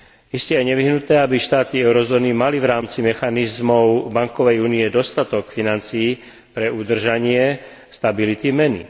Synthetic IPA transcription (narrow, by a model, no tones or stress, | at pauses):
iscɛajɲɛʋiɦnut̪ɛːabiʃt̪aːt̪iɛʊɾɔzɔːnimaliʋɾaːmt͡simɛxanizmɔʊbaŋkɔʋɛjuːniɛd̪ɔst̪at̪ɔkfinant͡siː | pɾɛud̪r̩ʒaɲɪɛ | st̪abilit̪imɛnḭ